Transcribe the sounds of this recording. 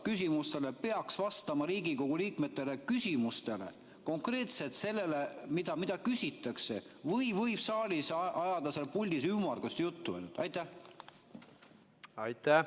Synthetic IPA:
kys̬ʲimust̪e̞le̞pe̞ɑksvɑst̪ɑmɑɾiːɡiko̞ɡ̥uliːkme̞t̪ːˑe̞le̞kysʲimust̪e̞le̞̰ | ko̞ŋkre̞ːt̪se̞t̪se̞lːe̞le̞mid̪̥ɑmid̪̥ɑkysʲit̪ːˑɑkse̞̰vɤjvɤjb̥sɑːlʲisʔɑjɑd̪̥ɑselpulʲd̪is̬ymɑrɡ̥ust̪ejut̪ːuḛnyt̪ɑjt̪æh | ɑjt̪æ

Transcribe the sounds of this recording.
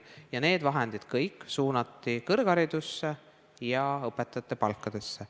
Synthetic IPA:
jɑne̞ːd̪vɑɦend̪̥id̪̥kɤjkːˑsuːnɑt̪ːikɤrɡ̥ɑɾid̪usːe̞ | jɑɤpːˑet̪ːˑɑt̪ːˑepɑlkːˑɑd̪̥e̞sːe

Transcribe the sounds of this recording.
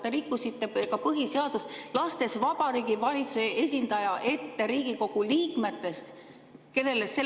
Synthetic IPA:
t̪ːeɾikːusit̪ːe̞kɑpɤɦiseɑd̪̥uslɑst̪e̞svɑb̥ɑɾiːɡivɑlʲit̪suseʔe̞sʲind̪ɑjɑʔe̞t̪ːe̞ɾiːɡ̥iko̞ɡ̥uliːkme̞t̪ːˑe̞st̪ | ke̞le̞lesːe̞

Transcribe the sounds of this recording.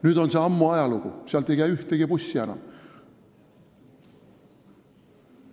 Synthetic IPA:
nyt̪onseɑmːuɑjɑlukṵsiælt̪ːˑejkæiyht̪eɡ̥ipusʲːiɑnɑ̰

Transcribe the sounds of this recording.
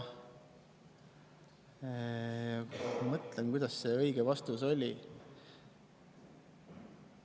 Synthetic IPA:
jɑmɤt̪lenkujd̪̥ɑsːe̞ɤjɡ̥evɑst̪uso̞lʲi

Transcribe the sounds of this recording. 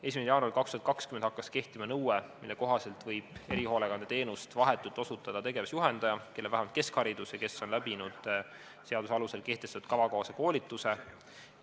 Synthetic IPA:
e̞ːs̬ʲimesejɑːnuɑɾilkɑkst̪uɑt̪̚kɑkskymend̪̥ɑkːˑɑske̞ht̪imɑnɤwemilːe̞ko̞ɦɑse̞lt̪vɤjb̥e̞ɾiho̞ːleɡɑnd̪et̪e̞ːnust̪vɑɦe̞t̪ːˑult̪ːˑo̞sut̪ːˑɑd̪̥ɑt̪e̞ɡe̞vɑsjuɦe̞nd̪̥ɑjɑkelːevæhæmɑlt̪ke̞skhɑɾid̪̥usjɑke̞sːo̞nlæbinud̪̥ | se̞ɑd̪usɑluse̞lke̞ht̪est̪ud̪̥kɑvɑkoɑseko̞ːlit̪ːˑuse̞

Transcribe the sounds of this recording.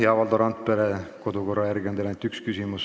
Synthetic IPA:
eɑvɑld̪oɾɑnt̪̚peɾeko̞d̪uko̞rːɑjæɾɡiod̪elent̪ːˑykskysimus

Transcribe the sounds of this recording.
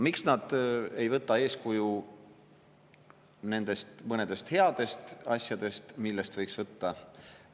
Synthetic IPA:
miksnɑd̪̥e̞jvɤt̪ːˑɑe̞ːskuju | ne̞nd̪̥e̞st̪mɤned̪̥e̞st̪he̞ɑd̪̥e̞st̪ɑ̰sʲjɑd̪e̞st̪milːe̞st̪vɤ̞jksvɤt̪ːɑ

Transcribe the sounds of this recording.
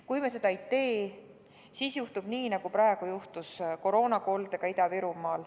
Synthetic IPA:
kujmese̞d̪ɑejt̪e̞ː | siːsjuht̪ub̥niːnɑɡ̥upɾɑeɡ̥ujuht̪usko̞ɾo̞ːnɑko̞ːld̪e̞ɡɑid̪ɑviɾumɑːl

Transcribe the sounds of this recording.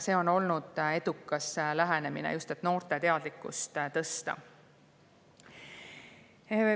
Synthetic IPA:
se̞ːo̞no̞lnud̪̥e̞d̪̥ukːˑɑslæɦene̞minḛjust̪et̪ːˑno̞ːrt̪e̞t̪e̞ɑd̪̥likːˑṵst̪t̪ɤ̞st̪ɑ̰ | e

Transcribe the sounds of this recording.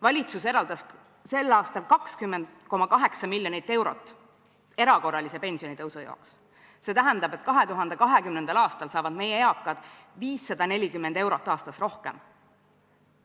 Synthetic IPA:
vɑlʲit̪suse̞ɾɑld̪̥ɑs | se̞lːɑːst̪ɑlkɑkskymːend̪̥ko̞mɑkɑɦe̞ksɑmilʲjo̞nit̪ˑːe̞wɾo̞t̪ːˑ | e̞ɾɑko̞rːɑlise̞pe̞nsio̞nit̪ɤwsujo̰ːks | se̞ːt̪æɦænd̪̥ɑb̥e̞t̪kɑɦe̞t̪uɦɑnd̪e̞kɑɦe̞kymnenɑlɑːst̪ɑlsɑːvɑd̪me̞jeeɑkːˑɑd̪̥ | viːsːɑd̪̥ɑne̞lʲikymːend̪e̞wɾo̞t̪ːˑɑːst̪ɑsro̞hke̞̰m

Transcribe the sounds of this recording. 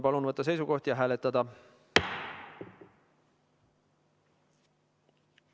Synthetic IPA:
pɑlunvɤt̪ːɑs̬e̞jsuko̞ht̪jɑɦæːlet̪ːˑɑd̪ɑ

